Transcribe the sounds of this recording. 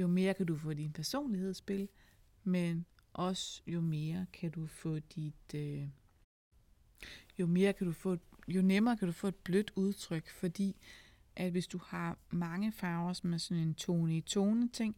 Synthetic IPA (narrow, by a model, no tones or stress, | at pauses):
jo̝me̝ːɐkʰædufɔ̰̽ːd̥inpʰæɐso̝̰ːnlihe̝ð̞̰ˠsb̥e̝l | men | ʔɒ̽sjo̝me̝ːɐkʰæd̥ufɔ̰̽ːd̥id̥ | jo̝me̝ːɐkʰæd̥ufɔ̰ːed̥jo̝nemɐːkʰæd̥ufɔ̰̽ːed̥̚b̥lød̥uð̞ˠt͡sʰʁœɡ̥fɒ̽d̥ḭː | ʔæd̥ʋe̝sd̥uhɑ̈mɑ̈ŋəfɑ̈ʊɐsɒmæsɒ̽ne̝nt͡sʰo̝ːnəit͡sʰoːnət͡sʰe̝ŋ̰